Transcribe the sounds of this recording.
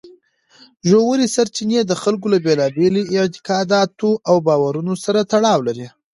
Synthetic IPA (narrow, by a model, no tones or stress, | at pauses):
ʒowaɾisaɾt͡ʃined̪əxalk̬olabelɑbeliɪʕt̪ɪ̥kɑd̪ɑt̪oʔawbɑwaɾunosaɾat̪aɽɑwlaɾi